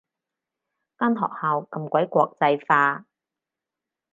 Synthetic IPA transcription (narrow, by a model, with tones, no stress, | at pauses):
kaː˥nɦɔ̰ː˨k̚haː˨˧wkɐ˧mkʷɐ˨˥jkʷɔː˧k̚t͡sɐ˧jfaː˧